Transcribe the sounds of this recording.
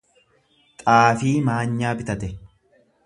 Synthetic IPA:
t̪ʼaːfiːmaːɲːaːbɪt̪ɐt̪ɛ

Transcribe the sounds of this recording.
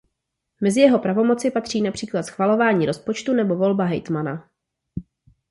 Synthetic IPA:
mɛzɪjɛɦo̞pɾavo̞mo̞tt͡sɪpat̪r̝̥iːnapr̥iːklat̪sxvalo̞vaːɲiːɾo̞spo̞t͡ʃt̪unɛbo̞vo̞lbaɦɛjt̪mana

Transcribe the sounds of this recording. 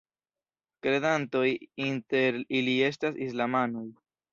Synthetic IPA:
kɾe̞danto̞jinte̞ɾilie̞s̬tasislamanoj

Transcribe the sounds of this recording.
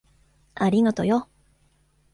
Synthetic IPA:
aɾʲiɡat̪o̞jo

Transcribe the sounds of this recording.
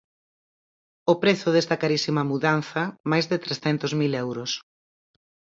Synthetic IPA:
opɾeθʊðest̪ɐkaɾisimɐmuðan̟θɐmajzðɪt̪ɾesθɛnt̪ʊzmilɛwɾʊs

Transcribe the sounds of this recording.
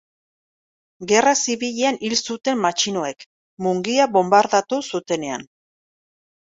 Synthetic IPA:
ɡe̞rasiβiʎeanilsut̪e̞mːat͡ʃino̞e̞k | muŋɡiaβo̞mbaɾðat̪usut̪e̞ne̞a̰n

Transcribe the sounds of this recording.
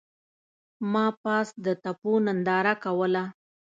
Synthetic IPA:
mɑpɑsd̪ət̪aponand̪ɑɾakawəla

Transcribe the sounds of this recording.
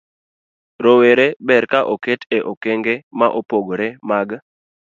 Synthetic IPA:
ɾoweɾebɛrkaʔoketeʔokeŋɡemaʔopoɡoɾemaɡ

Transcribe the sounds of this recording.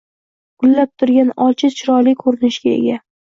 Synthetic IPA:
ɡ̥ʊlːap̚t̪ʰʊɾɡʲanɒlt͡ʃʰɪt͡ʃʰɪɾɒlɪkʰɵɾɪnɪʃɡʲae̞̰ɡʲa

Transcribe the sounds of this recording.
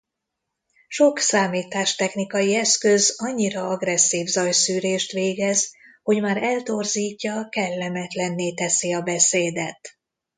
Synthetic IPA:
ʃo̞ksaːmiːt̪aːʃt̪ɛxnikɒjiɛskøzɒɲːiɾɒɒɡrɛsːiːvzɒjsyːɾeːʃt̪ʋeːɡɛzho̞ɟmaːɾɛlt̪o̞rziːcːɒkɛlːɛmɛt̪lɛnːeːt̪ɛsiɒbɛseːd̪ɛt̪

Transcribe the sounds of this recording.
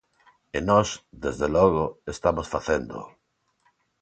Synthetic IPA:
enɔsd̪ezðelɔɣoest̪amosfaθend̪o̰

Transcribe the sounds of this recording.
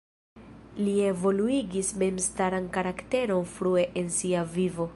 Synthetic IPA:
lie̞vo̞luiɡisme̞mstaɾankaɾakte̞ɾo̞nfɾue̞ʔensiavivo̞

